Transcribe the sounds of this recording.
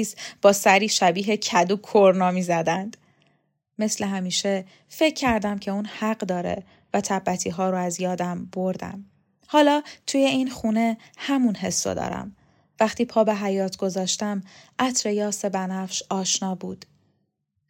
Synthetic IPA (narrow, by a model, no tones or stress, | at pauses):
sb̥ɒːsæɾiːʃæbiːɦe̞cʰæd̪uːkʰoɾnɒːmiːzæd̪ænd̪̥ː | e̞sle̞ɦæmiːʃe̞ | fe̞cʰːæɾd̪æmcʰe̞uːnhæɢd̪ɒːɾḛ | væt̪ʰæbːæt̪ʰiːɦɒːɾoæzjɒːd̪æmb̥o̞ɾd̪æ̰m | hɒːlɒːt̪ʰuːje̞inxuːne̞hæmunɦe̞sːo̰d̪ɒ̰ːɾæ̰m | væχt̪ʰiːpʰɒːbeɦæjɒːt̪ʰɡ̥o̞zɒːʃt̪æmʔæt̪ʰɾe̞jɒːsebænæfʃɒːʃnɒːbuːd̪̥